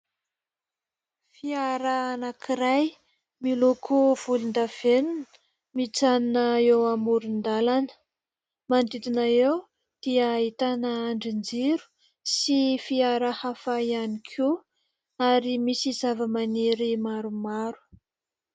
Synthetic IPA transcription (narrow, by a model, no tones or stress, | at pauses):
fiaɾaanakʰiɾaj | milukʰuv̥ulind̪av̥enunə̥ | mit͡saninəewamuɾund̪alanə̥ | mand̪it̪inaew | d̪̥iaːit̪anəːɳɖ͡ʐind͡ziɾu̥ | sifiaɾəhafaianikʰu | aɾimisizavəmaneɾimaɾumaɾu̥